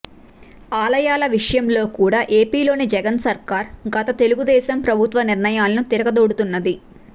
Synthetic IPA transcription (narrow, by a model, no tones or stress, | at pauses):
aːlɐjaːlɐʋiʂɐjɐmlo̞ːkuːɽaːʔeːpiːlo̞ːnid͡ʒɛɡɐnsɐɾkaːɾɡɐt̪ɐt̪e̞luɡud̪ɛːsɐmpɾɐbʱut̪ʋɐniɾɳɐjaːlɐnut̪iɾɐɡɐd̪oːɽut̪unːɐd̪i